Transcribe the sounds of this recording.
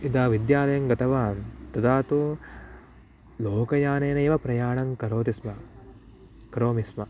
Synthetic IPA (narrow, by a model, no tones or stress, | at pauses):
id̪aːʋid̪jaːlɐjɐŋɡɐt̪ɐʋaːnt̪ɐd̪aːt̪u | loːkɐjaːneːnɐːʋɐpɾɐjaːɳɐŋkɐɾoːt̪ismɐ | kɐɾoːmismɐ